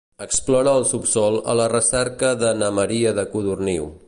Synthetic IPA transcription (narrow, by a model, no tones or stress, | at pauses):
əksplɔɾəːlˠsupsɔlˠə̰lərəsɛɾkəðənəməɾiəðəkuðurniw